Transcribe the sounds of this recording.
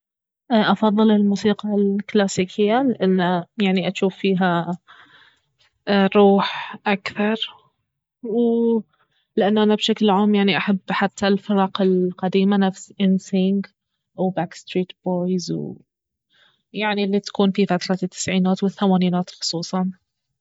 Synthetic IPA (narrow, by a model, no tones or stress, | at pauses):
ʔʔɑfɑðˤːɨlɪlmuːsiːqɑlklaːsiːkʰɪjːalɪʔanːajaʕniʔaʃuːfːiːɦa | ɾˤuːħʔakθɑɾˤ | w | lɪʔanːʔanabʃaklʕaːmjaʕniʔaħabːħat̪ʰːalfɪɾˤɑːqɪlqad̪iːmanafsʔɪnsɪŋɡ | wbaːkst̪ɾiːt̪b̥oːjzw | jaʕnilːit̪ḁkuːnfifat̪ɾˤɑt̪ʰːɪ̥sʕiːnaːt̪wɪθːamaːniːnaːt̪xʊ̥sˤuːsˤɑn